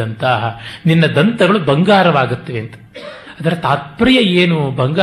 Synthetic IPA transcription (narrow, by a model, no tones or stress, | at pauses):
ɐnt̪aːɦɐninːɐd̪ɐnt̪ɐɡɐɭubɐŋɡaːɾɐʋaːɡut̪ːɐʋeːnt̪ɐ̥ | aːd̪ɐɾet̪aːt̪̚pɾijɐeːnubɐŋɡaː